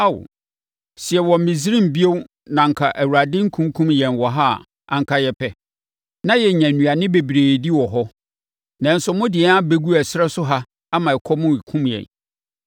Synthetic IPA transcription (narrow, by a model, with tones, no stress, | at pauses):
a˦˨w̰ | sɪ˨ɛ˨wɔ̃˨m̩˨mĩ˨zi˦ɾĩ˦m̩˨bi˦o˦w | nã˨ŋ̩˨kʰa˨ʔæ˨wu˨ɾa˨dɪ̃˦ŋ̩˦kʰũ˦ŋ˦kʰũ˦mjɛ̃˨nwɔ˨ɦa˦˨ | ʔã̰˨ŋ̩˦kʰa˦jɛ˦pʰɛ˨ | nã˦jɛ˨ɲæ̃˨nũ˨a˨nɪ̃˦be˨bɾeː˨di˦wɔ˨ɦɔ˦ | nã˨n̩˦sʊ˨mʊ̃˦dɪ˨ɛ˦a˦be˦ɡu˦æ˨sɪ˦ɾɛ˦sʊ˦ɦa˦ | a˦mã˨ɛ˨kʰɔ˦mʊ̃˦i˨kʰũ˦mjɛ̰̃˨n